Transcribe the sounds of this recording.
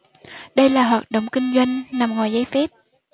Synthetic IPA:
ɗə˧jlaː˨˩ɦwaː˨˩t̚ɗo̰˨wŋ͡mkï˧ŋ̟zwa˧jŋ̟na˨˩mŋɔː˨˩jzəː˨˦jfɛ˦˥p̚

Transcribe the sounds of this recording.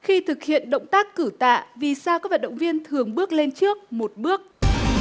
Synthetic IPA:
xi˧t̪ʰɨ˨˩k̚hḭ˧˨ənɗə̰˧˨wŋ͡mt̪aː˦˥kːɨ˧˩t̪a̰ː˧˨vi˨˩saː˧wkaː˦˥k̚va˨˩t̚ɗə̰˧˨wŋ͡mvi˧ənt̪ʰɨ˨˩əŋɓɨ˦˥ək̚le˧nt͡ɕɨ˦˥ək̚mo˨˩t̚ɓɨ˦˥ək̚

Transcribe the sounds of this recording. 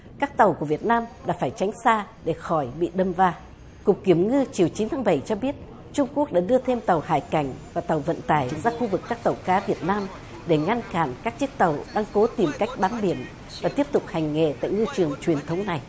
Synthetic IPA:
kaː˦˥k̚t̪ə˨˩wku˧˩əvi˨˩ət̚naː˧mɗa̰ː˧˥faː˧˩jt͡ɕa˨˦jŋ̟saː˧ɗe˧˩xɔ˧˩jɓḭ˧˨ɗə˧mvaː˧ | kʊ˨˩k͡p̚kːi˧˩əmŋɨ˧t͡ɕi˨˩əwt͡ɕi˨˦nt̪ʰaː˨˦ŋɓə˧˩jt͡ɕɔ˧ɓi˦˥ət̚ | t͡ɕʊ˧ŋ͡mku˦˥ək̚ɗa̰ː˧˥ɗɨ˧ət̪ʰe˧mt̪ə˨˩whaː˧˩jka˧˩jŋ̟vaː˨˩t̪ə˨˩wvə̰˧˨nt̪aː˧˩jzaː˧xu˧vɨ˨˩kːaː˦˥k̚t̪ə˨˩wkaː˨˦vi˨˩ət̚naː˧m | ɗe˧˩ŋa˧nkaː˧˩nkaː˦˥k̚t͡ɕɨ˦˥k̚t̪ə˨˩wɗaː˧ŋko˨˦t̪i˨˩mka˦˥jk̟̚ɓaː˨˦nɓi˧˩ən | vaː˨˩t̪i˦˥əp̚t̪ʊ˨˩k͡p̚ha˨˩jŋ̟ŋḛ˧˨t̪a̰ː˧˨jŋɨ˧t͡ɕɨ˨˩əŋt͡ɕwi˨˩ənt̪ʰə˨˦wŋ͡mna˨˩j

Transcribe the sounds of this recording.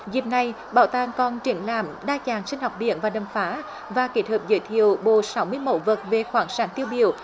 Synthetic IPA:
zi˨˩p̚na˨˩j | ɓaː˧˩wt̪aː˨˩ŋkɔ˨˩nt͡ɕi˧˩ənlaː˧˩mɗaː˧t͡ɕaː˨˩ŋsï˧ŋ̟hɔ˨˩wk͡p̚ɓḭ˧˨ənvaː˨˩ɗə˨˩mfaː˨˦ | vaː˨˩ke˨˦˥t̚həː˨˩p̚zə̰ː˧˩jt̪ʰḭ˧˨əwɓo̰˧˨˩sa˨˦wmɨ˧əjmo̰˧˥t̚və˨˩t̚ve˨˩xwaː˧˨˦ŋsaː˨˦nt̪i˧əwɓḭ˧˨əw

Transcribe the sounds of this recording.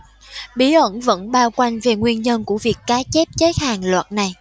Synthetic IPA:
ɓi˨˦ʔə˧˥nvə̰˧˥nɓaː˧wkwa˧jŋ̟ve˨˩ŋwi˧ənɲə˧nku˧˩əvi˨˩əkːaː˨˦t͡ɕe˦˥p̚t͡ɕəː˨˦jhaː˨˩ŋlwa̰ː˨˩t̚na˨˩j

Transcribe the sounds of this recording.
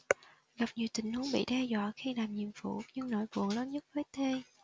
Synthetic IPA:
ɣa˨˩p̚ɲi˨˩əwt̪ï˨˩ŋ̟hu˨˦əŋɓḭ˧˨ɗɛ˧zwa̰ː˧˨xi˧laː˨˩mɲḭ˨˩əmfṵ˧˩ɲɨ˧ŋno̰˧˩jkṵ˨˧˩əŋləː˨˦nɲə˦˥t̚vəː˨˦jt̪ʰe˧

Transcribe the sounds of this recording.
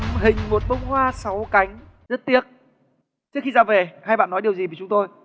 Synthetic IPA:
ɦï˨˩ŋ̟mo˨˩t̚ɓə˧wŋ͡mɦwaː˧sa˨˦wka˨˦jŋ̟ | zə˦˥t̚t̪i˦˥ək̚ | t͡ɕɨ˦˥əkxi˧zaː˧˩ve˨˩haː˧jɓa̰ː˧˨nːɔ˨˦jɗi˨˩əwzi˨˩və˨˩t͡ɕʊ˨˦ŋ͡mt̪o˧j

